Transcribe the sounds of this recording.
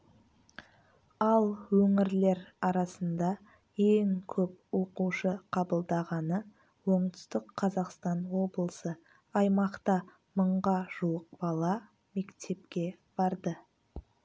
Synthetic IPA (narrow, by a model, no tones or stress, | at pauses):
ɑlˠwɵŋɪɾle̞ɾɑɾɑsənd̪ɑ | eŋkʲʰɵp̚wo̞quʃəqʰɑbəlˠd̪ɑʁɑnə | wo̞ɴt̪ʏ̥st̪ɪkʰːɑzɑqst̪ɑnwo̞blˠəsə | ɑjmɑqt̪ɑ | məɴʁɑʒ̥uwəq̚b̥ɑlˠɑ | me̞kt̪ʰe̞p̚kʲe̞ | b̥ɑɾd̪ə